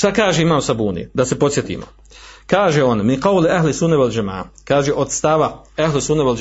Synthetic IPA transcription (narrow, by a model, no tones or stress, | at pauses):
ʃt̪akaːʒeimaːmsabuːnḭd̪ase̞po̞t̪sjet̪ḭːmo | kaːʒeo̞nminqɑwlaɦlɪsunːewald͡ʒama̰ːa̰kaːʒeʔo̞d̪st̪aʋaaɦlesunːewal